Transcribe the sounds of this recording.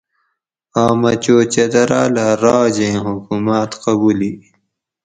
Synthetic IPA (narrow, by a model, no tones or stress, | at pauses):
aːmɐt͡ɕoːt͡ɕɐd̪ɐɾaːlaɾaːd͡ʑẽɦukumat̪qɐbuli